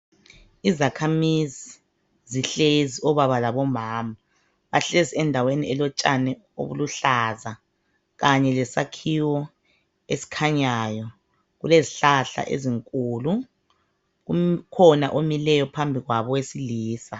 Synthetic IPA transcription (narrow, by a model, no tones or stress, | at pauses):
izakʰamizi | ziɬeziɔβaβalaβɔmaːma | βaɬeziɛndʱaweniɛlɔt͡ʃʼanɛ | o̰βṵluɬaza | ɣaɲɛlɛsakʰiwɔ | esi̥kʰaɲajɔ | ɣuleziɬaɬa̰ʔḛziŋkʼuːlu | ukʰɔnaʔomilɛjɔpʰambʱiɣwaβɔwesiliːsa